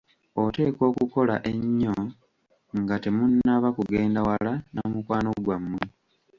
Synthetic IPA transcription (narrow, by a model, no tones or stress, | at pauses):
ote̞ːko̞ːkuko̞laʔe̞ɲːo̞ | ŋɡatemunːaβakuɡe̞ːndawalanomukwaːno̞ɡwamːwe